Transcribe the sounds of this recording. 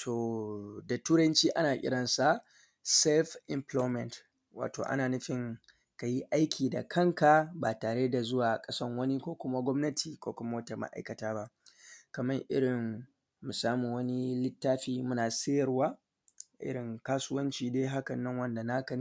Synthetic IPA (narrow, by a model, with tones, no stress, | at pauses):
tʰoː˨da˨tuː˦ɽɐ˦nt͡ʃiː˦ʔa˦naː˨ʔʲɪ̰˦ɽɐ˨nsa˨ʔ | sɛ˦lɸɪ˨mplɔ˦mɛ˨nt | wʔa̰ː˨to̰ː˨ʔa̰˦naː˨nɪ˦ɸɪ˦ŋ | ka˨ji˦ʔa˦jkʲʰiː˨da̰˨kʰɐ˦ŋka˨baː˨taː˨ɽeː˦da˨zʊ˦waː˨kʼɐ˦sɐ˦ŋwɐ˦ni˦kʷoː˦kʷʊ˦ma˦ɡʷɔ˦mnɐ˦tʰiː˨kʷoː˦kʷʊ˦ma˦wɐ˦ta˨ma̰˨ʔa̰˨jkɐ˨taː˦ba˦ʔkɐ˨mɐ˦ŋʔɪ̰˦ɽɪ˨ŋː | u˨saː˦muː˨wɐ˦ni˦lɪ˦tːaː˦ɸiː˦mʊ˦naː˨sɪ˦jɐ˨rwaː˦ | ʔɪ̰˦ɽɪ˨ŋkaː˦sʊ˦wɐ˦nt͡ʃiː˨deː˦ɦa˦kɐ˨nːɐ˦ŋwɐ˦nda˨na˦kɐ˨ni˦